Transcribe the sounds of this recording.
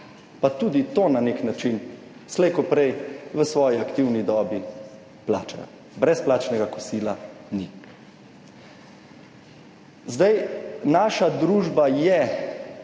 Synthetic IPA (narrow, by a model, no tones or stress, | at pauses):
pat̪ud̪it̪oːnaneknat͡ʃin | slɛjkɔpɾɛjʋəsʋɔːjiakt̪iwnid̪ɔːbi | pla̰ːt͡ʃaa | bɾɛsplaːt͡ʃnɛɡakɔsiːlani | zd̪ajnaːʃad̪ɾuːʒbajɛ